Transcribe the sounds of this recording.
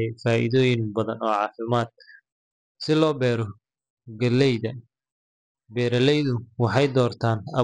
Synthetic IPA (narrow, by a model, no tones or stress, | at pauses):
jfaːʔɪ̰ðɔːjɪnbɐðɐnɔːʕɑːfɪmaːd̪̚ | sɪlɔːbɛːɾɔ | ɡɐlɛjðɐ | bɛːɾɐlɛjðʊwɑħɑjd̪ɔːrt̪ʰaːnɐ